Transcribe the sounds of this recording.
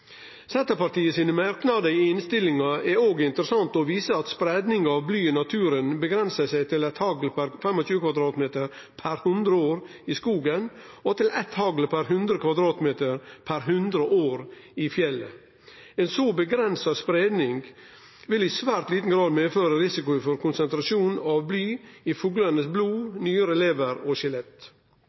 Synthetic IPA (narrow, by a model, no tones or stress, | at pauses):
sɛnt̪əpɑʈ̪iːəsiːnəmæɾknɑd̪əɪɪnst̪ɪlɪŋɑɛɾoːɡɪnt̪əɾəsɑnt̪ɔʋiːsəɑt̪spɾɛːd̪nɪŋɑʋblyːɪnɑt̪ʰʉːɾənbəɡɾɛnsəsæɪt̪ʰɪlɛt̪hɑɡlpʰæɾfɛmɔt͡ʃʉːəkʰʋɑd̪ɾɑːt̪meːt̪əɾ | pʰæɾhʉnd̪ɾəoːɾɪskuːɡənɔt̪ʰɪlɛt̪hɑɡləpʰæɾɦʉnd̪ɾəkʰʋɑd̪ɾɑːt̪meːt̪əɾpʰæɾɦʉnd̪ɾəʔoːɾɪfjɛlːə̰ | eːnsoːbəɡɾɛnsɑspɾeːd̪nɪŋɡ | ʋɪlɪsʋæːɾt̪liːt̪n̩ɡɾɑːd̪meːføːɾəɾɪsɪkʊɪfɔɾkʊnsɛnt̪ɾɑʃuːnɑʋblyːɪfuːɡlənəsbluːnyːəɾəɛleːʋəɾɔʃɪlɛt̪